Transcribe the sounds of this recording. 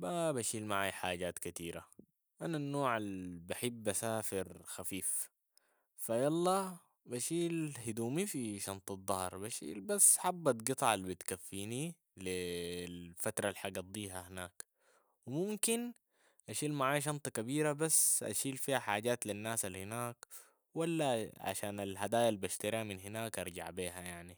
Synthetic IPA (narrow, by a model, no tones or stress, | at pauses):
babaʃiːlmaʕaːjħaːɟaːt̪kat̪iːɾa | ʔananːoːʕalbaħɪbːʔasaːfiɾxafiːf | fajɑlˤːɑː | baʃiːlhid̪uːmifiʃɑnt̪ˤɑd̪ˤːɑhɾˤbaʃḭːlbasːħabːat̪ɡɨt̪ˤɑʕalːbit̪kafːiːni | lilfat̪ɾˤɑlħɑɡɑd̪ˤːiːɦahinaːk | wimumkin | ʔaʃiːlmaʕaːjʃ̬ɑnt̪ˤɑkabiːɾabasːʔa̰ʃiːlfiːhaħaːɟaːt̪linːaːsalhinaːk | walːaʕa̰ʃaːnalhad̪aːjalbaʃt̪aɾiaminɦinaːkʔɑɾˤɟa̰ʕbeːhajaʕni